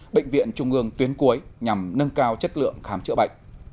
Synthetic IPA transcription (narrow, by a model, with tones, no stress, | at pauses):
ɓḛ˧˨jŋ̟vḭ˧˨ənt͡ɕʊ˨˩ŋ͡mʔɨ˨˧˩əŋt̪wi˨˦ənku˨˦əjɲa˨˩mnə˧nkaː˧wt͡ɕə˦˥t̚lɨ̰˧˨əŋxaː˨˦mt͡ɕɨ̰˧˥əɓə̰˧˨jŋ̟